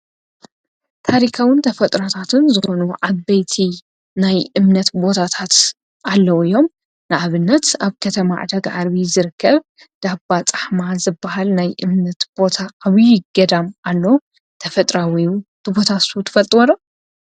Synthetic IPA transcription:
t̪ʰaɾikʰawɨnt̪ʰɐfɐt̪ʼɾat̪ʰat̪ʰɨnzɨxo̞nuʕaβːɐjt̪ʰi | najʔɨmnɐt̪bo̞t̪ʰat̪ʰat̪ | ʔalːɐwɨjo̞m | nɨʔaβɨnːɐt̪aβkʰɐt̪ʰɐma̰ʕ̰d̪ɐɡʕaɾβizɨɾɨkʰːɐβ | d̪̥abat͡sʼḁħmazɨbːɐhalnajʔɨmnɐt̪b̥o̞t̪ʰaːβjɪɡɐd̪amʔalːɐw | t̪ʰɐfɐt̪ʼɾawit̪ɨbo̞t̪ʰasut̪ʰɨ̥fɐlt̪ʼɨwɐlo

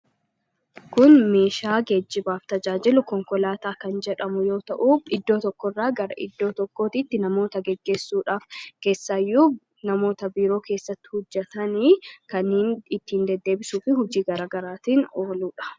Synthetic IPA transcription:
kʊnme̞ːʃaːɡɛd͡ʒːɪbaːft̪ɐd͡ʒaːd͡ʒɪlʊkɔŋkɔlaːt̪aːkɐnd͡ʒɛᶑɐmʊjo̞ːt̪ɐʔuːfɪd̪ːo̞ːt̪ɔkːɔrːaːɡɐɾɐ̰ʔɪ̰d̪ːo̞ːt̪ɔkːo̞ːt̪ɪt̪ːɪnɐmo̞ːt̪ɐɡɛɡːe̞ːsːuːᶑaːfke̞ːsːaːjːuː | nɐmo̞ːt̪ɐbiːɾo̞ːkʰe̞ːsːɐt̪ːɪ̥hʊd͡ʒːɛt̪ɐnikɐnhnɪt̪ːɪhnd̪ɛd̪ːe̞ːbɪsuːfɪɦʊd͡ʒiːɡɐɾaːɡɐɾaːt̪iːno̞ːluːᶑɐ̥

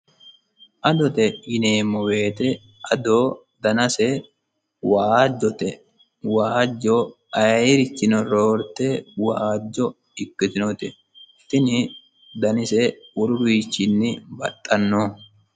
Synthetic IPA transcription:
ʔɐd̪ɔt̪ɛɪneːmːɔwe̞ːt̪ɛ | ɐd̪oː | d̪ɐnɐsɛ | waːd͡ʒːɔt̪ɛ | waːd͡ʒːɔ | ɐɾɪt͡ʃːɪnɔɾoːɾt̪ɛwaːd͡ʒːɔ | ɪkːɪt̪ɪnɔt̪ɛ | ɪt̪ɪnɪ | d̪ɐnɪsɛʊɾʊbiːt͡ʃːɪnːɪbɐ̰t̪ʼːɐnːoː

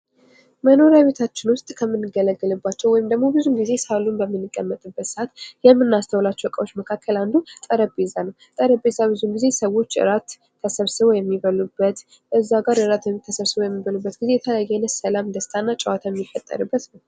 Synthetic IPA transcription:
məno̞ɾjaβe̞t̪ʰat͡ʃːɪnwʊst̪ʼkʰəmːɨnːɨɡələɡːɨlɨbːat͡ʃːɛwɔjɪmd̪əɡmo̞bɨzunɡize̞salunbəmːɨnːɨkʼːəmːət̪ʼɨbːət̪sʔat̪jɛmːɨnːast̪ʰəwlat͡ʃːɛwkʼəwot͡ʃːməkʰakʰːəland̪ut̪ʼəɾəbezanəwt̪ʼəɾəbe̞zabɨzunɡize̞səwo̞t͡ʃːʔɨ̰ɾat̪ʰː | əsəβsɨβojɛmːiβəlubːət̪ | ɨzːaɡaɾɨɾat̪jɛmːɨt̪ʰːəsəβsɨβojɛmːiβəlubːət̪ɡizeɛt̪ʰəjajenəsəlamd̪əst̪ʰʼanːat͡ʃʼəwat̪ʰajɛmːifət̪ʼːə̰ɾɨbːət̪nəw

